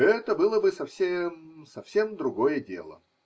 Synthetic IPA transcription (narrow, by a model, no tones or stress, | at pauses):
ɛt̪əbɨlˠəbɨsɐfsʲemsɐfsʲe̞md̪ɾʊɡo̞jədʲe̞̰lˠə̰